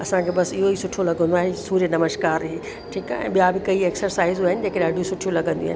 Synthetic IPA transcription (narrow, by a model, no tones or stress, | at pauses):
ɐsãkʰeːbɐsɪɦoisʊʈʰolɐɡə̃nd̪oaːɦesuːɾenɐməʃkaːɾɦeː | ʈʰiːka̰ɛ̰̃ːɓijabɪkɐieːksəɾsaːɪzuaːɦɪnɪ̆d͡ʑeːkeɗaːɖʱijosʊʈʰijolɐɡʱə̃nd̪ḭa̰ɦɪn